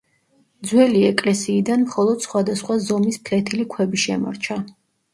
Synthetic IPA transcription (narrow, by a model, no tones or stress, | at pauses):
d̪zwɛliɛkʼlɛsiːd̪anmχɔlˠɔd̪̥sχwad̪asχwazɔmispʰlɛt̪ʰilikʰwɛbiʃɛmɔ̰ɾt͡ʃʰa